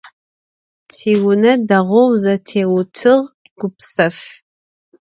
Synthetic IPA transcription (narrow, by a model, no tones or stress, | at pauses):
tʰiːwʊnɐdɐʁʷowzɐtʰeːwʊtʰɨʁ | ɡ̥ʷʊpsɐf